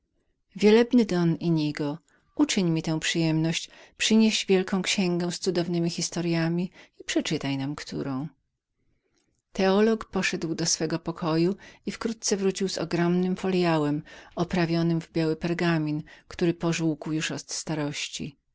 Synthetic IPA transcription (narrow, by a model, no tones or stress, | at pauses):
vʲjɛlɛbnɘd̪ɔniɲiɡɔ | ut͡ʂɘɲmʲit̪ɛ̃w̃pʂɘjɛmnɔɕt͡ɕ | pʂɘɲeʑvʲjɛlkɔ̃w̃kɕɛŋɡɛ̃w̃st̪sud̪ɔvnɘmʲixʲist̪ɔɾjamʲiipʂɛt͡ʂɘt̪ajnamkt̪ʰṵɾɔ̃w̃ | t̪ɛɔlɔkpɔʂɛd̪wd̪ɔsfɛɡɔpɔkʰɔjuifkɾut̪̚t̪sɛvɾut͡ɕiwzɔ̰ɡɾɔmnɘmfɔljawɛmɔpɾavʲjɔnɘmvbʲjawɘpɛɾɡamʲinkt̪uɾɘpɔʐuwkuwjuʂɔt̪st̪aɾɔɕt͡ɕḭ